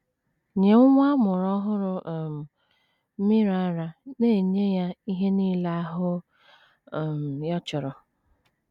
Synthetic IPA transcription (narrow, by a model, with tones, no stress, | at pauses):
ɲe˨ʊ˦ŋʷa˦mʊ˨ɾɔ˦ɦʊ˦ɾʊ˦˨m̩˨ | m̩˦mi˦ɾa˨a˦ɾa˦ne˦˨ɲe˦ja˦i˦ɦe˦niː˦la˦a˦ɦʊ˦˨ | m̩˨jɔ˦t͡ʃɔ˨ɾɔ˨